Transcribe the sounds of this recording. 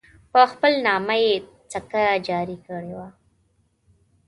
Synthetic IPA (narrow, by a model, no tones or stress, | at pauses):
pəxpəlnɑmaje | t͡sakad͡ʒɑɾikəɽewa